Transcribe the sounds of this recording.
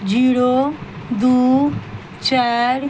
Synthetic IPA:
d͡ʒiːɽo | d̪uː | t͡ʃaːɾ

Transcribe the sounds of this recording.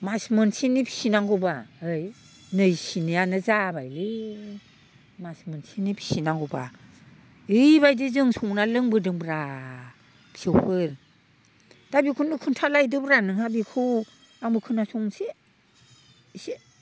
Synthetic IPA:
masmɯnsinipʰi̥sinaŋɡubaɯj | nɯjsinijanɯzabajli | masmɯnsinipʰi̥sinaŋɡuba̰ | ɯjbajdizɯŋsɔŋnalɯŋbɯdɯŋbɾa | pʰi̥sɯwpʰɯɾ | d̥abikʰunɯkʰɯntʰalajdɯbɾanɯŋhabikʰu | aŋbɯkʰɯnasɔŋnse | se

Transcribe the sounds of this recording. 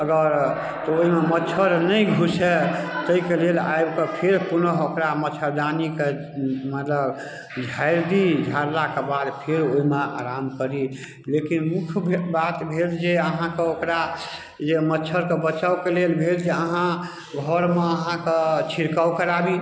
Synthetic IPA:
əɡəɾ | t̪ɔoɦimemətːt͡ʃʰəɾnəiɡʱusɛt̪əikelela̰jbkepʰeɾpunəɦokɾamətːt͡ʃʰəɾd̪anike | mət̪ləb | d͡ʒʱaɪɾd̪id͡ʒʱaɾlakebad̪pʰeɾoimea̰ɾamkəɾi | lekinmukʰbbat̪bʱeld͡ʒeəɦãkeokɾa | d͡ʒemətːt͡ʃʰəɾkebət͡ʃawkelelbʱeld͡ʒeəɦã | ɡʱɔɾmeəɦãket͡ʃʰiɾkawkəɾabi

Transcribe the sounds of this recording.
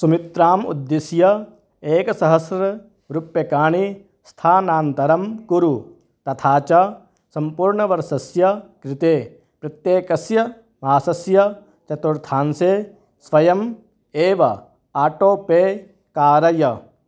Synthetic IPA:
sumɪt̪ɾaːmṵd̪ːisjɐ | eːkɐsɐɦɐsɾɐ | ɾupjɐkaːɳi | st̪ʰaːnaːnt̪ɐɾɐmkuɾu | t̪ɐt̪ʰaːt͡ʃɐ | sɐmpuɾɳɐʋɐɾsɐsjɐkɾɪt̪eː | pɾɐt̪jeːkɐsjɐ | maːsɐsjɐ | t͡ʃɐt̪uɾt̪ʰaːnseː | sʋɐjɐm | eːʋɐ | aːʈoːpeː | kaːɾɐjɐ

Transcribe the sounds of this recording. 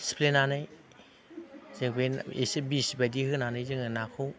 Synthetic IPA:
si̥pʰlenanaj | zeŋbenḛsibisbadihɯnanajzɯŋanakʰɯw

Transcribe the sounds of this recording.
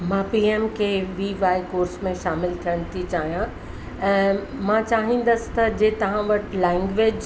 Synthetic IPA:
mãːpiːeːmkʰeʋiːʋaːikoːɾsmẽʃaːmɪlt̪ʰijəɽ̃t̪ʰit͡ɕaːɦijã | ɛ̃ːmãt͡ɕaːɦĩːn̆d̪əsɪ̥̆t̪ɐd͡ʑeːt̪ɐʋ̤ãʋɐʈʰlɛ̃ːŋɡʋeːd͡ʑ

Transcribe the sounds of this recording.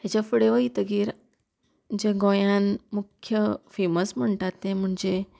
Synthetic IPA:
ɦet͡ɕafəɽeʋəɦit̪əɡiːɾ | d͡ʑeɡõjãnmukʰjəfeməsm̤əɳʈat̪ːẽm̤əɳd͡ʑe

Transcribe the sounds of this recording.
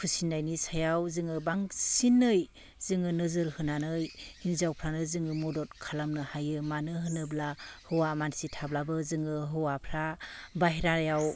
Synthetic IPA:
kʰɯsinːajnisajawzɯŋɯbaŋsinːɯj | zɯŋɯnɯzɯɾhɯnanɯjhinzawpʰɾanɯzɯŋɯmɔdɔt̚kʰalamnɯhajɯmanɯɦɯnɯblahɯwamansitʰablabɯzɯŋɯɦɯwapʰɾabaɦiɾaɾjaw

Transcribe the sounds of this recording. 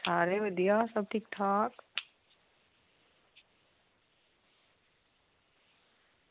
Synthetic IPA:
saːɾeːʋəd̪ijaːsɐb̚ʈʰik̚t̪ʰaːk

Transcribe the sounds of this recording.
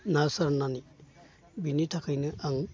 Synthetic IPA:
nasaɾnani | binit̪ʰakʰɯjnɯʔaŋ

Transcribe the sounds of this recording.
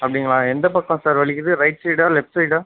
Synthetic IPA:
ɐpːɐɽɪŋɡɐɭãːɛnd̪ɐpɐkːɐ̃saːɾʋɐɭɪkːɯðɯɾɐɪʈsɐɪʈaːlɛpsɐɪʈa

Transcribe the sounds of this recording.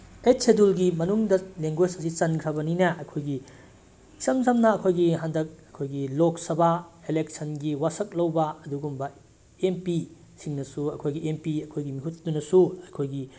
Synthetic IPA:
esedulɡimɐnuŋdɐleŋɡwesɐsit͡ʃɐnkʰɾɐbɐninɐʔɐkʰojɡi | sɐmzɐmnɐːkʰojɡiɦandɐk̚ɐkʰojɡilok̚sɐbaelek̚sʰɐnɡiwasɐk̚lɐwbɐɐduɡumbɐ | empi | siŋnɐsuɐkʰojɡiempiɐkʰojɡimiɦut̚dunɐsuɐkʰojɡi

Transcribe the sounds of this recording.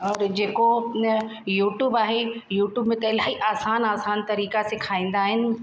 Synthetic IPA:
ɔːɾd͡ʑeːko | juːʈjuːbaːɦejuːʈjuːbmẽt̪ɐɪlaːɦiʔaːsaːnaːsaːnt̪ɐɾiːkasekʰaːĩːn̆d̪aːɦɪnɪ̆

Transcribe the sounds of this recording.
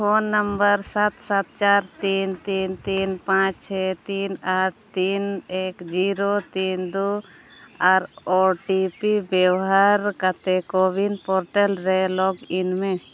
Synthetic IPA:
pʰonːəmbəɾsat̪sat̪̚t͡ʃaɾt̪int̪int̪inpãt͡ʃt͡ʃʰɛt̪inat̪inekd͡ʒiɾot̪ind̪u | aɾɔʈipibjɛwɦaɾkat̪ɛkobinpɔɾʈɛlɾɛlɔɡinmẽ

